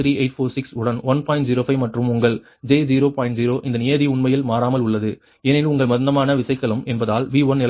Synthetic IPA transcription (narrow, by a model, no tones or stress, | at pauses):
ɾiːeɪʈfoːsɪksʊɽɐnʋɐnpaːɪ̃ɳʈ̚ziːɾoːfɐɪmɐʈrɯmʊŋɡɐɭ | d͡ʒeːd͡ʒiːɾoːpaːɪɳʈziːɾoːʔɪnd̪ɐnɪjɐðiʊɳmɐjɪlmaːɾaːmɐlʊɭːɐðɯ | ɛnɪlʊŋɡɐɭmɐðnd̪ɐmaːnɐʋɪsɐɪkːɐɭɯmɛnbɐðaːlʋiːʋɐnnɪl